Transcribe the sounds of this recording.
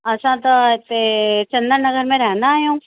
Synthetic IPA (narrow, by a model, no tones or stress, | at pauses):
ɐsãt̪ot̪ːet͡ʃɐ̃nd̪əɾnɐɡəɾmẽɾɛɦnd̪aːjõː